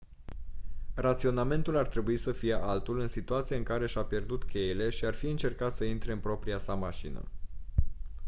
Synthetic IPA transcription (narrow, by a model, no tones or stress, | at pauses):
rat̪sio̞name̞nt̪ulart̪ɾe̞buisəfije̞ʔalt̪ulɨnsit̪uat̪sijaɨŋkaɾe̞ʃapje̞rd̪ut̪kʲe̞jele̞ʃiarfiɨnt͡ʃe̞rkat̪səint̪ɾe̞ɨnpɾo̞pɾiasamaʃinə̰